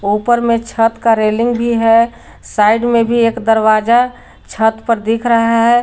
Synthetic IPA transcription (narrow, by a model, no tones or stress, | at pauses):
uːpəɾmẽt͡ʃʰət̪kaɾeːlɪ̃ŋɡbʱiɦɛ | saːɪɖmẽbʱieːkd̪əɾwaːd͡ʒa | t͡ʃʰət̪pəɾd̪ikʰɾəɦaɦɛ